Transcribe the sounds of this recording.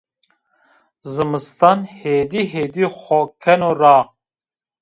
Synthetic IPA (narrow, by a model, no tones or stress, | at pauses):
zɨmɨst̪anheːd̪iːɦeːd̪ixɔkʰɛnoɾaː